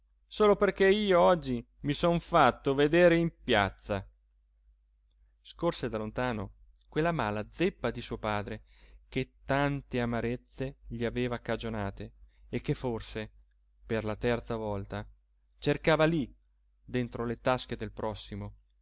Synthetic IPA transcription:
soːloperkeiːoɔd͡ʒːi | misɔnfat̪ːoved̪eːɾeimpja̰t̪sːa | skorsed̪alont̪aːno | kwelːamaːlad̪zepːad̪isuːopaːd̪ɾeket̪ːant̪eamaɾet̪sːeʎiaveːvakad͡ʒonaːt̪eːkːefːorse | perlat̪ɛrt̪savɔlt̪a | t͡ʃerkaːvali | d̪ent̪ɾolet̪ask̟ed̪elpɾɔsːimo

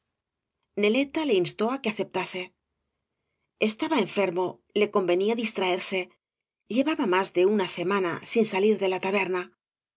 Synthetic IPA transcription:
ne̞le̞t̪ale̞inst̪o̞akeaθe̞p̚t̪ase̞ | est̪aβae̞ɱfe̞ɾmo̞ | le̞ko̞mbe̞niaðist̪ɾaeɾse̞ | ʎe̞βaβamazðe̞unase̞mana̰sinsaliɾðe̞lat̪aβe̞ɾna

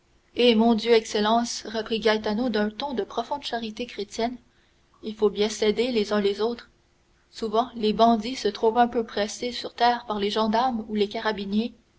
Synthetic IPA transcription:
emɔ̃d̪jøɛkselɑ̃sʁəpʁiɡajt̪anod̪œ̃t̪ɔ̃d̪əpχɔfɔ̃d̪ʃaʁit̪ekχet̪jɛn | ilfobjɛ̃sed̪elezœ̃lezot̪χ | suvɑ̃lebɑ̃d̪isət̪χuvɛ̃pøpχɛsesyʁt̪ɛːʁpaʁleʒɑ̃d̪aʁmulekaʁabinje

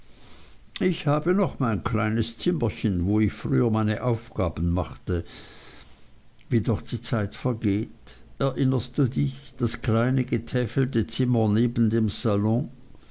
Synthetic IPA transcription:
ʔɪçhaːbənɔχmaɪnkʰl̥aɪnəst͡sɪmɐçənvoːɪçfʁyːɐmaɪnəʔaʊfɡ̥aːbn̩maχtə | viːdɔχd̥iːt͡saɪtfɛɐɡeːtɛɐʔɪnəstd̥uːdɪçd̥askl̥aɪnəɡətʰɛfl̩tət͡sɪmɐneːbn̩deːmz̥alɔ̃

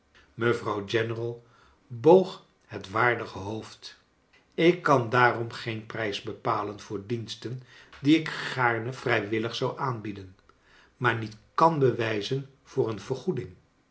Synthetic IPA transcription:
məvrɑwd͡ʒɛnərɑlˠ | bowχ | ɦətʋaːɹdəχəɦowft | ɪkːɑndaːrɔmχejnprɛjzbəpaːlənv̥ʊːɹdinstəndiɪkχaːɹnəv̥rɛjʋɪləχsɑwʔaːnbidən | maːɹnitkɑnbəʋɛjzən | v̥ʊːrənv̥əɹχudɪŋ

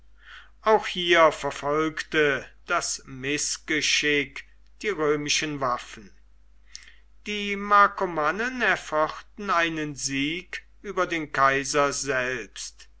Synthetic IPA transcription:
ʔaʊxhiːɐfɛɐfɔlktəd̥asmɪsɡ̥əʃɪk | d̥iːʁøːmɪʃənvafn̩ | d̥iːmaːkomanənɛɐfɔχtn̩aɪnənziːk | ʔyːbɐdeːnkaɪzɐzɛlpst

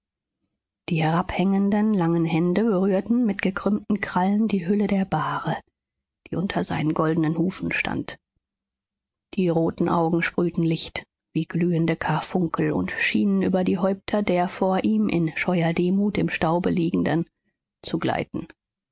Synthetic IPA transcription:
d̥iːhɛʁaphɛŋəndənlaŋənɦɛndəbəʁyːɐtn̩mɪtɡ̥əkʁ̥ʏmtn̩kʁ̥aləndiːɦʏlədeːɐbaːʁə | d̥iːʔʊntʰɐza̰ɪnənɡɔldn̩ənhuːfn̩ʃtʰa̰nt | d̥iːʁoːtn̩ʔa̰ʊɡŋ̩ʃpʁ̥yːtn̩lɪçt | viːɡlyːəndəkʰafʊŋkʰl̩ʊ̰ntʃiːnənʔyːbɐdiːɦɔʏp̚tʰɐdeːɐfoːɐʔiːmʔɪ̰nʃɔʏɐdeːmuːtɪmʃtaʊbəliːɡŋ̩dən | t͡suɡla̰ɪtn̩

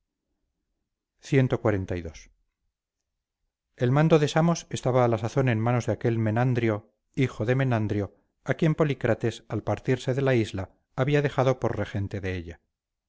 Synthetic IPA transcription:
θje̞nt̪o̞kwaɾe̞nt̪ajðos | e̞lmãnd̪o̞ðe̞samo̞se̞st̪aβaːlasaθo̞ne̞nmano̞zðeake̞lme̞nand̪ɾjo̞ | ixoðe̞me̞nand̪ɾjo̞ | akje̞mpo̞likɾʔat̪e̞salpaɾt̪iɾse̞ðe̞laizlaː | βiaðe̞xaðo̞po̞ɾre̞χe̞nt̪e̞ðe̞eʎa

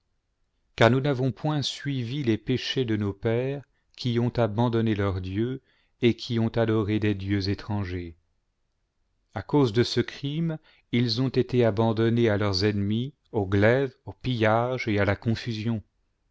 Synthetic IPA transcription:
kaʁnunavɔ̃pwɛ̃sɥivilepeʃed̪ənopɛːʁ | kʰʲiɔ̃t̪abɑ̃d̪ɔnelœʁd̪jø | ekʲʰiɔ̃t̪ad̪ɔʁed̪ed̪jøzet̪χɑ̃ʒe | akozd̪əsəkχim | ilzɔ̃t̪et̪eabɑ̃d̪ɔnealœʁzɛnmi | oɡlɛvopijaʒealakɔ̃fyzjɔ̃

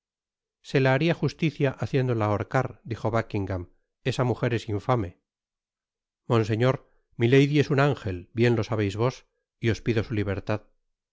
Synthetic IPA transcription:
se̞laːɾiaxust̪iθjaʔaθje̞nd̪o̞laoɾkaɾd̪ixo̞βakiŋɡam | e̞samuxe̞ɾe̞siɱfame̞ | mõ̞ns̬e̞ɲo̞ɾ | milejðie̞sunaŋxe̞lbje̞nlo̞saβe̞jzβo̞s | io̞spiðo̞suliβ̞e̞ɾt̪að

